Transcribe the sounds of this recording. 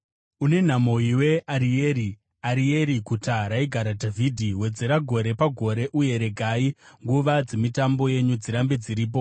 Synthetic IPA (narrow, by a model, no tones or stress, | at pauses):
une̞n̤amo̞iwe̞aɾieːɾi | aɾie̞ɾikutaɾaiɡʱaɾadʱavidʱiwe̞d͡ze̞ɾaɡʱo̞ɾe̞paɡʱo̞ɾe̞ʔuje̞ɾe̞ɡʱaiŋɡuʋad͡ze̞mitambo̞je̞ɲud͡ziɾambid͡ziɾiːp̬o̞